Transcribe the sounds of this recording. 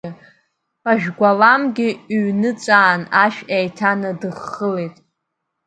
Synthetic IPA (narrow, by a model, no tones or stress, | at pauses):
aʒᶣɡʷalamɡʲɪɥnɨt͡sʼaːnaʃᶣejtʰanɨdɨχːəlejtʼ